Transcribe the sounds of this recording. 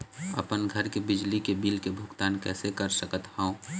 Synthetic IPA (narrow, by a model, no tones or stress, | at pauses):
ə̰pənɡʱəɾkebɪd͡ʒlikebiːlkebʱʊkt̪aːnkɛːsekəɾsəkət̪hãõ